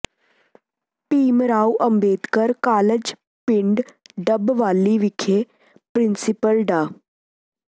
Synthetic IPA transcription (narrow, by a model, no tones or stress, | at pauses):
piːmɾauʔəmbeːd̪kəɾkaːləd͡ʑ | piɳɖɖəbʋalːiːʋikʰe | pɾinsipəlɖa